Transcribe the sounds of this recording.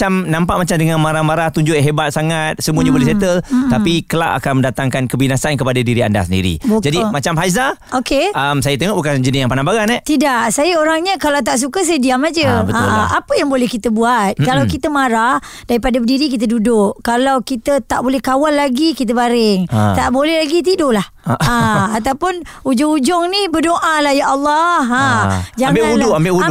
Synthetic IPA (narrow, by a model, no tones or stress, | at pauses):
aamnãmpaʔmat͡ʃamdəŋanmaɾahmaɾaht̪uɲd͡ʒʊʔɦebat̪̚saŋat̪̚səmuəɲabolɛhset̪əlt̪apikəla̰ʔa̰kanmə̃ndat̪aŋkankəbinasankəpadadiɾia̰nda̰hsəndḭɾḭbd͡ʒadimat͡ʃamɦajzaokeəmsajət̪əŋoʔbukand͡ʒənɪsjaŋmpanabaɡanɛt̪idaʔsajəoɾaŋɲəkalawt̪̬aʔs̬ukəs̬ajdiamad͡ʒəbəaʔapəjaŋbolɛhkit̪əbuat̪̚kalawkit̪əmaɾah | daɾipadadiɾik̬it̪̬ədudʊʔkalawkit̪ət̪aʔbolɛhkawalːaɡikit̪̬əbaɾɪŋt̪aʔbolɛhlaɡit̪idolah | aat̪awpʊnud͡ʒʊŋud͡ʒʊŋnibərdoʔalahjaʔɑlːɔhad͡ʒaŋbɪaudʊʔambɪʔu